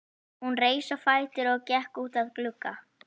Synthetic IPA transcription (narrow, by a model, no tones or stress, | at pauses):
hunreːjsafaːjt̪ɪɾɔɣcɛhkuːt̪aðklʏkːa